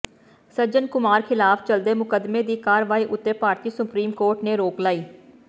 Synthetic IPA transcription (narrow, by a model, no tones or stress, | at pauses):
səɾd͡ʒənkʊmaːɾkʰɪlaːpʰt͡ʃəld̪eːmʊkəd̪meːd̪iːkaːɾʋaːiːʔʊt̪ːəɾpaːɾt̪iːsʊpɾiːmkoːɾʈneːɾoːklaːiː